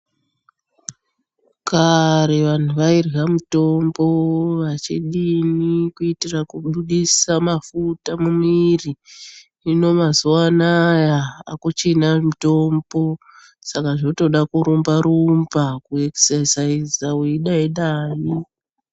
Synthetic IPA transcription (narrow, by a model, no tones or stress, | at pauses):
kaɾeʋan̤uʋairɣamuto̞mbo̞ʋat͡ʃiɗinikuitirakuɓuɗisamafutamumiri | ino̞mazuanajaa̰kut͡ʃenamuto̞mbo̞ | sakaʐoto̞ɗakuɾumbaɾumbakueksesaizawiɗaiɗaːji